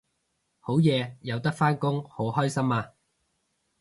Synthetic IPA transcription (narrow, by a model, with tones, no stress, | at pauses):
ho˨˥wjɛː˨˧jɐ˨˧wt̪ɐ˥k̚faː˥nkʊ˥ŋho˨˥wɦɔː˥jsɐ˥maː˧